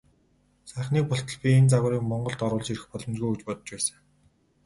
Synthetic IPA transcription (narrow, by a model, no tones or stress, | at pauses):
sæːχniːk̚pɔɬt̪ɞ̆ɮpʲient͡saɣʊːɾiːkmɔɴɢɞ̆ɮɬt̪ɔɾʊːɮt͡ɕiɾɘ̆xpɔɮɞ̆mt͡ɕɣujut͡ɕpɔt̪ɞ̥̆t͡ɕpæːsə̥̆ŋ